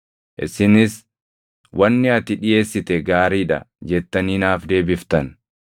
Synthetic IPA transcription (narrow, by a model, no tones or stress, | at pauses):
ʔɪsɪnɪs | wʔɐnːɪɐt̪ɪᶑɪje̞ːsːɪt̪ɛɡaːɾiːᶑɐ̰d͡ʒɛt̪ːɐniːnaːfd̪e̞ːbɪft̪ɐn